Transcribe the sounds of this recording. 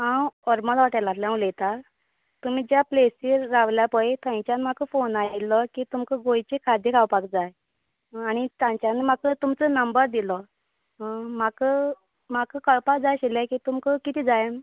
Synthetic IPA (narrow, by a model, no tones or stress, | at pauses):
ɦãwɔɾmalʋaʈəlat̪ljãwlet̪a | t̪um̤iːd͡ʑjaplesiːaʋljapəet̪ʰãj̃t͡ɕjanm̤akəfonalɔkiːt̪umkəɡojt͡ɕekʰad̪ʱjəkawpakd͡zaj | añit̪ãɲt͡ɕanemakət̪umt͡sənəmbəɾd̪ilɔ | makə | makəkawpakd͡zajɕilãkit̪umkəkit̪ʰid͡zajen